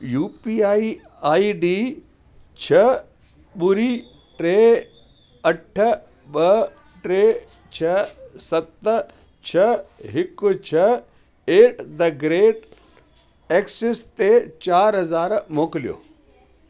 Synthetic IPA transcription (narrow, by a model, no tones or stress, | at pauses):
juːpiːaːi | aːiɖiː | t͡ɕʰɐ | ɓʊɾi | ʈɾeː | ɐʈʰ | ɓɐ | ʈɾeː | t͡ɕʰɐsɐt̪ | t͡ɕʰɐɦɪkʊt͡ɕʰɐ | eːʈʰd̪ɐɡɾeːɖ | eːksɪst̪et͡ɕaːɾɦɐzaːɾmoːkɪlijo̰ː